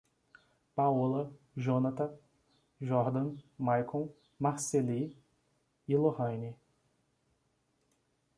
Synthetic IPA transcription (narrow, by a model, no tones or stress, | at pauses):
paɔlɐ | ʒõnat̪ɐ | ʒɔɾd̪ɐ̃majkõw | maɾseli | ɪlohɐ̃ni